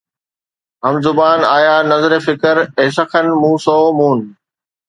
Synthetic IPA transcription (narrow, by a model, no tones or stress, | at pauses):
ɦɐmzʊbaːnaːjaːnɐzɾefɪkəɾeːsəkʰənmũːsoːmũːn